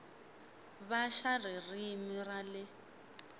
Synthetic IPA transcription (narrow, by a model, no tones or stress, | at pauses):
βaʃaririmiralɪ